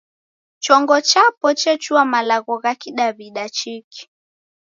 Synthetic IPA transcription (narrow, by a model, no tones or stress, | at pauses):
t͡ʃɔŋɡɔt͡ʃapɔt͡ʃɛt͡ʃuamalaɣɔɣakiɗaβiɗat͡ʃiki̥